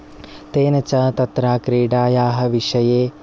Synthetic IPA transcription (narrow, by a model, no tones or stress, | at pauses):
t̪eːnɐt͡ʃɐt̪ɐt̪ɾaːkɾiːɽaːjaːɦɐ̆ʋiʂɐjeː